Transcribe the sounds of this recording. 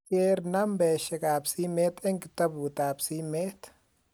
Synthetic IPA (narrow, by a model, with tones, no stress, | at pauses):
eː˦ɾnɐmbeː˨ʃɐ˨kʼaː˨bsi˦meː˦t̪ɛ˦ŋkɪt̪ːɐ˦buː˨t̪aːbsi˦meː˦t̪